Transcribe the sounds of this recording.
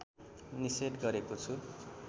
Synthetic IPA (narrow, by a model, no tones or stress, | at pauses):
niseʈɡʌɾekot͡sʰu